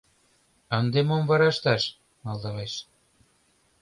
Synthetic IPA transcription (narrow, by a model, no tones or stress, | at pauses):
ə̆nd̪emomvɑɾɑʃt̪ɑʃ | mɑld̪ɑʁɑʃ